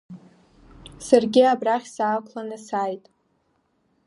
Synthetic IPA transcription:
sarɡʲɪabraχʲsaːkʷʰʼlanɨsaːjtʼ

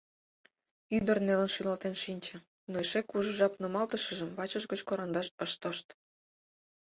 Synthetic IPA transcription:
yd̪ərnelənʃylɑlt̪enʃinʲt͡ɕə̆ | noeʃekuʒə̆ʒɑpnomɑlt̪əʃə̆ʒəmβɑt͡ɕəʒɡət͡ɕkoɾɑnd̪ɑʃəʃt̪əʃt̪

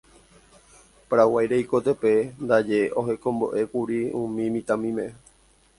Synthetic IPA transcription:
pɾawajɾejko̞t̪epend̪ad͡ʒe̞ʔo̞ɦe̞kõ̞mbo̞̰ʔe̞kuɾiũmĩmĩt̪ãmĩmẽ

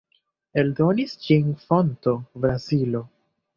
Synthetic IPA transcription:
e̞ldo̞nist͡ʃinfo̞nto̞bɾazilo̞

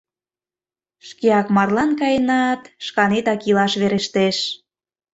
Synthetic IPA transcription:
ʃkeɑkmɑrlɑnkɑjenɑt̪ʃkɑnet̪ɑkilɑʃβeɾeʃt̪eʃ

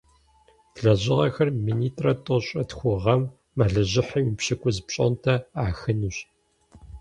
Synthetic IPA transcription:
tɮɐʑɪʁɐ̰xɐrmiːniːtʼrɐtʼoɕʼɐtxʷʊʁɐmː | aɮɐʑɪħɐjupɕɪkʷʼʊzpɕʼo̰ntʰɐaːxɨnuɕ

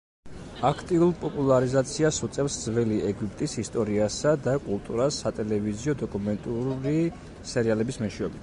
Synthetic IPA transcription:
akʰt̪ʼiulpʼɔpʼulˠaɾizat̪sʰiasut̪sʼɛfsd̪zvɛliɛɡwipʼt̪ʼisist̪ʼɔɾiasad̪akʼulˠt̪ʼuɾasːat̪ʼɛlɛviziɔd̪ɔkʼumɛnt̪ʼuɾi | sɛɾialɛbismɛʃiɔbit̪

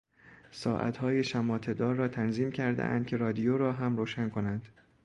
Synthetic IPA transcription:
sɒːʔæ̰t̪hɒːjeʃæmɒːt̪ʰe̞d̪ɒːɾːɒːt̪ʰænziːmcʰæɾd̪ḛʔæ̰nd̪̥̚kʰʲcʰe̞ɾɒːd̪ijoɾɒːɦæmɾoːʃænkʰo̞nænd̪̥

